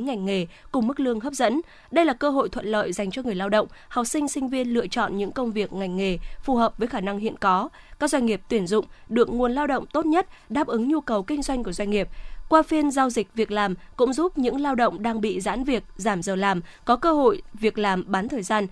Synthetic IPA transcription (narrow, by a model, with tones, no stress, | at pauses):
ŋa˨˩jŋ̟ŋe˨˩kʊ˨˩ŋ͡mm˦˥k̚lɨ˧əŋɦəː˦˥p̚zə̰˧˥n | ɗə˧jlaː˨˩kəː˧ɦo̰˧˨jt̪ʰwə̰˧˨nlə̰ː˧˨jza˨˩jŋ̟t͡ɕɔ˧ŋɨ˨˩əjlaː˧wɗə̰˧˨wŋ͡mha˨˩k͡p̚sï˧ŋ̟sï˧ŋ̟vi˧ənlɨ̰˧˨ət͡ɕɔ̰˧˨nɲɨ̰˧˥ŋkə˧wŋ͡mvi˨˩ək̚ŋa˨˩ŋ̟ŋe˨˩fu˨˩ɦəː˨˩p̚vəː˨˦jxaː˧˩na˧ŋɦḭ˧˨ənkɔ˨˦ | kkaː˦˥k̚zwa˧ŋ̟ŋi˨˩əp̚t̪wi˧˩ənzʊ̰˧˨ŋ͡mɗɨ˨˩ək̚ŋu˨˩ənlaː˧wɗə̰˧˨wŋ͡mt̪o˦˥t̚ɲə˦˥t̚ɗaː˦˥p̚ʔɨ˨˦ŋɲu˧kə˨˩wkï˧ŋ̟zwa˧jŋ̟ku˧˩əzwa˧ŋ̟ŋi˨˩əp̚kwaː˧fi˧ənza˧wzï˨˩k̟̚vi˨˩ək̚laː˨˩mkʊ̰˧˥ŋ͡mzu˦˥p̚ɲɨ̰˧˥ŋlaː˧wɗə̰˧˨wŋ͡mɗaː˧ŋɓḭ˧˨za̰ː˧˥nvi˨˩ək̚zaː˧˩mzəː˨˩laː˨˩mkɔ˨˦kəː˧ɦo̰˧˨jvi˨˩ək̚laː˨˩mɓaː˨˦nt̪ʰəː˨˩jzaː˧n